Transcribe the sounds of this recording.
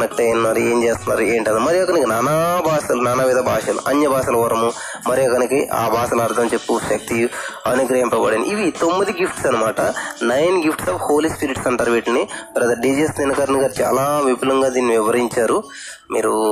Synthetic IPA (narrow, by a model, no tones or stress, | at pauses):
nɐkʈɐjnnːaːɾueːmt͡ʃeːst̪unːaːɾueːɳʈɐnd̪mɐɾijɐkɐnikinaːnaːbʱaːʃɐlunaːnaːmiːd̪ɐbʱaːʂɐlṵʔɐɲjɐbʱaːʃɐlɐkoɾɐmu | mɐɾijɐkɐnikiʔa̰ːbʱaːʃɐlɐɐɾd̪ʰʱɐmt͡ʃepːuʃɐk̚t̪iɐnuɡɾɐɦɐmpɐbɐːɽenḭʔiʋit̪omːid̪iɡipʰʈsɐnɐmaːʈɐnɐjnɡipʰʈsaːfho̞ːlispiɾiʈsɐɳʈaːɾuʋiːʈlɐnibɐɾɐd̪ɐɖiːd͡ʒesninɐkɐɾɐniɡaːɾit͡ʃa̰ːlaːʋipilɐŋɡaːd̪iːnːiʋiʋɐɾiɲt͡ʃaːɾu | miːɾu